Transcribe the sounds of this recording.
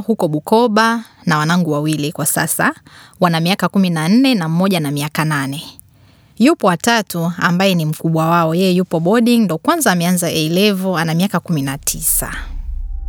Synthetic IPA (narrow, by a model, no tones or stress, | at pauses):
hukɔɓukɔɓanawanaŋɡuwawilikwasa̰sawanamiakakuminan̩nɛnam̩mɔʄanamiakananɛ | jupɔwatatuambajɛnim̩kuɓwawaɔjɛjɛjupɔɓɔɗiŋndɔkwanzaːmɛanzaʔɛilɛvɔanamiakakuminatʰisa̰